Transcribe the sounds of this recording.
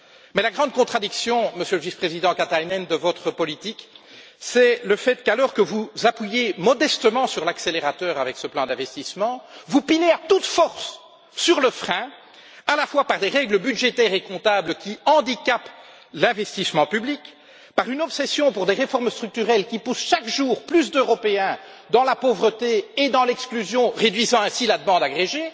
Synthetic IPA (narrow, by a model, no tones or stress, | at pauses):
mɛlaɡʁɑ̃d̪̚kɔ̃t̪χad̪iksjɔ̃məsjøləvispχezid̪ɑ̃kat̪ajnɛnd̪əvɔt̪χəpɔlit̪ik | sɛləfɛt̪kalɔʁkəvuzapɥijemɔd̪ɛst̪əmɑ̃syʁlakseleʁat̪œːʁavɛksəplɑ̃d̪ɛ̃vɛst̪ismɑ̃vupineat̪ut̪fɔʁsː | yʁləfχɛ̃ | alafwapaʁd̪eʁɛɡləbyd̪ʒet̪ɛʁekɔ̃t̪abləkʲiɑ̃d̪ikʲap | lɛ̃vɛst̪ismɑ̃pyblik | paʁynɔpsɛsjɔ̃puʁd̪eʁefɔʁmst̪χyk̚t̪yʁɛlkʲipusʃakʒuːʁplys̬d̪øʁɔpeɛ̃ | d̪ɑ̃lapovʁət̪eed̪ɑ̃lɛksklyzjɔ̃ʁed̪ɥizɑ̃ɛ̃silad̪əmɑ̃d̪aɡʁeʒe